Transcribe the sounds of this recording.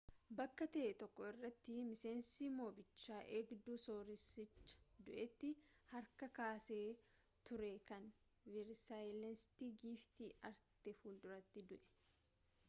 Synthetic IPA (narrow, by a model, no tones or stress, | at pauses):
bɐkːɐt̪ɐʔt̪ɔkːɔɪrːɐt̪ːɪmɪseːnsiːmo̞ːbɪt͡ʃːaːʔeːɡd̪uːso̞ːɾɪsɪt͡ʃːɐ̥d̪ʊʔɛt̪ːɪhɐɾkɐkaːseː | t̪ʊɾɛkɐn | vɪɾsajlɛnst̪iɡiːft̪iɐɾt̪ɛfuːld̪ʊɾɐt̪ːɪd̪ʊʔɛ̥